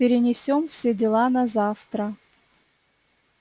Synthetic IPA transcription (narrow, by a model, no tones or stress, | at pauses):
pʲɪɾʲɪnʲɪsʲomfsʲedʲɪlˠanɐzaft̪ɾə